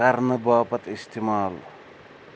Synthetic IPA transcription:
aɾnəbaːpɐt̪ist̪ʰimaːl

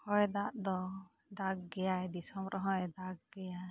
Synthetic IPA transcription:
hɔjd̪aʔd̪ɔ | d̪aɡɡɛjaɛd̪isɔmɾʔɔɦɔ̃jd̪aɡ̚ɡɛja

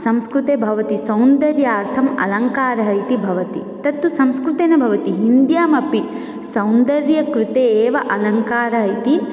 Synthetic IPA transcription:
sɐ̃mskɾut̪eːbʱɐʋɐt̪isɐwnd̪ɐɾjaːɾt̪ʰɐmɐ̰lɐŋkaːɾɐɦɐjt̪ibʱɐʋɐt̪it̪ɐt̪ːusɐ̃mskɾut̪eːnɐbʱɐʋɐt̪iɦind̪jaːmɐpi | sɐwnd̪ɐɾjɐkɾut̪eːʋɐʔɐlɐŋkaːɾɐɦɐjt̪i

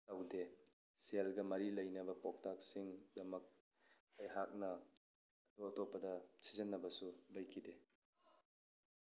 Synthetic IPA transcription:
tɐwde | selɡɐmɐɾilɐjnɐbɐpok̚tak̚siŋdɐmɐk̚ | ɐjɦak̚nɐ | ɐtoɐtopːɐdɐsizinːɐbɐsubɐjkʰide

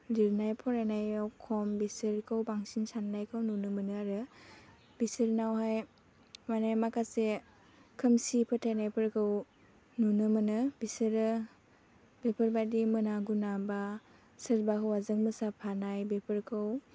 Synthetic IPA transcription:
liɾnajpʰɔɾanajawkʰɔmbisɯɾkʰɯwbaŋsinsanːajkʰawnunɯmɯnɯaɾɯ | bisɯɾnawɦaj | manajmakase | kʰɯmsipʰɯtʰajnajpʰɯɾkʰɯw | nunɯmɯnɯbisɯɾɯ | bepʰɯɾbadimɯnaɡunaba | sɯɾbakʰɯwazɯŋmɯsapʰanajbepʰɯɾkʰɯw

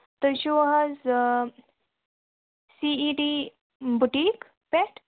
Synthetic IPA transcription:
t̪əɕoɦaz | siiɖi | buʈik | pɛʈ

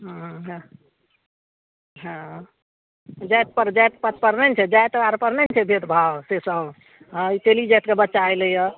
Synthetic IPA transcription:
ɦɦ | ɦə̃ | d͡ʒajt̪̚pəɾd͡ʒajt̪pət̪pəɾnɛnt͡ʃʰɛd͡ʒajt̪əaɾpəɾnɛnt͡ʃʰɛbʱed̪bʱawsesə | ɦãit̪elid͡ʒɛjt̪kebətːʃajləjə

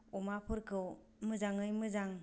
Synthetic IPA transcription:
ɔmapʰɯɾkʰɯw | mɯzaŋɯjmɯzaŋ

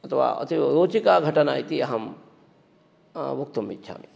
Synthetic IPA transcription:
ɐt̪ʰɐʋa̰ːɐ̰t̪iɾoːt͡ʃikaːɡʱɐʈɐna̰ːit̪iɐɦɐm | ʋuk̚t̪umːḭtːʃʰa̰ːmi

